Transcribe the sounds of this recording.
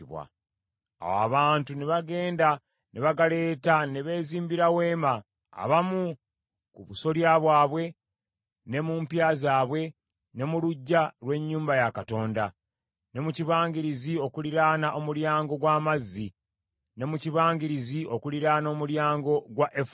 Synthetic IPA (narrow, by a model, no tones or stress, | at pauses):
βwa̰ | a̰wa̰βaːntuneβaɡe̞ːnda | nʔeβaɡale̞ːtaneβe̞ːziːmbiɾawe̞ːma̰ː | βamu | kuβuso̞ljaβwaːβwe̞ | ne̞muːmpjaːzaːβwe̞ | ne̞muluɟːalwe̞ɲːuːmbajakato̞ːnda | ne̞muciβaːŋɡiɾizio̞kuliɾaːnaʔo̞muljaːŋɡo̞ɡwaːmazːi | ne̞muciβaːŋɡiɾiziʔo̞kuliɾaːno̞ːmuljaːŋɡo̞ɡwaʔef